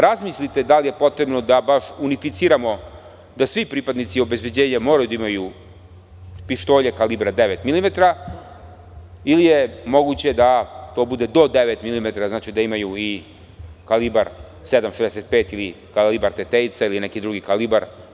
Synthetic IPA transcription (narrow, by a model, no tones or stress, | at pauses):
ɾazmislit̪e̞d̪alije̞po̞t̪ɾe̞bno̞d̪abaʃunifit̪siɾamo̞ | d̪asʋipɾiːpad̪nit̪sio̞be̞zbe̞d͡ʑeːɲamo̞ɾajud̪aimaju | piʃt̪oːʎekalibɾad̪eʋet̪milimet̪aɾa | ilijemo̞ɡut͡ɕe̞d̪at̪o̞bud̪e̞d̪o̞d̪eʋet̪milimet̪aɾaznaːt͡ʃid̪aimajui | kalibaɾ | sed̪amʃezd̪ɛset̪̚pe̞ːt̪ili | kalibaɾt̪et̪eit̪sailinɛkid̪ɾuɡikalibaɾ